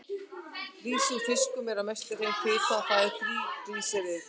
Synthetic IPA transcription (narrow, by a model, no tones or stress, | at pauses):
riːsufɪskʏmɛɾaðmɛjst̪ɪrejnkʰɪːt̪aθaːðɪɾ̥θɾiːɾiːsɛɾɪ